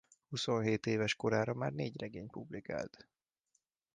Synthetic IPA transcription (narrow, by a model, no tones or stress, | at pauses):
huso̞nɦeːt̪eːvɛʃko̞ɾaːɾɒmaːrneːɟrɛɡeːɲpublika̰ːlt̪